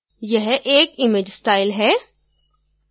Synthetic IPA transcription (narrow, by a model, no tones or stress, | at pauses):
jɛɦʔeːkɪmeːd͡ʒsʈaːɪlɦɛː